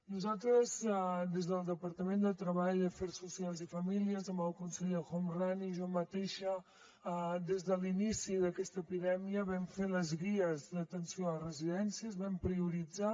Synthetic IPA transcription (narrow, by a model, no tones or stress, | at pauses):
nuzalˠt̪ɾəzd̪ezðəlˠd̪əpəɾt̪əmẽnd̪ət̪ɾəβaʎd̪əfɛɾsusialˠzifəmiliəzəməlkunsɛʎəxɔmraniʒɔmət̪eʃə | d̪ezðəlinisiðəkɛst̪əəpiðɛmiəβɛmfeləzɣiəzðət̪ənsioərəziðɛnsiəzβɛmpɾiuɾid͡za